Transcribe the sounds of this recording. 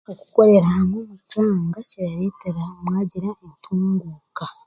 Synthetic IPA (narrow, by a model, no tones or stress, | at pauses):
oku̥ko̞ɾe̞ɾamwemucaːŋɡacejaɾeːteɾaomwaːɟiɾaʔentʰuːŋɡuːka